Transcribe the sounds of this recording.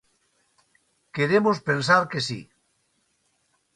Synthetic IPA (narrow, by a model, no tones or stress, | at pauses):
keɾemospensaɾkesḭ